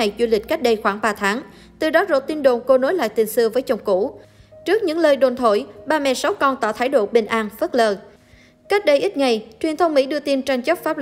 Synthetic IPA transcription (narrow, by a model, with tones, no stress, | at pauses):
a˨˩jzu˧lï̟˨˩ka˦˥jk̚ɗə˧jxwaː˧˩ŋɓaː˧t̪ʰaː˨˦ŋ | t̪ɨ˨˩ɗɔ˨˦zo˨˩t̪i˧nɗo˨˩nko˧no˨˦jla̰ː˧˨jt̪i˧˩nsɨ˧əvəː˨˦jt͡ɕə˨˧˩wŋ͡mkṵ˧˩t͡ɕɨ˦˥ək̚ɲɨ̰˧˥ŋləː˧jɗo˨˩nt̪ʰo˧˩jɓaː˧mɛ̰˧˨sa˨˦wkɔ˧nt̪ɔ̰˧˩t̪ʰaː˧˥˩jɗo̰˧˨ɓï˨˩ŋ̟ʔaː˧nfə˦˥t̚ləː˧˩ | ka˦˥jk̚ɗə˧jʔi˦˥t̚ŋa˨˩jt͡ɕwi˨˩ənt̪ʰə˧wŋ͡mmḭ˧˥ɗɨ˧ət̪i˧nt͡ɕa˧ŋt͡ɕə˦˥p̚faː˦˥p̚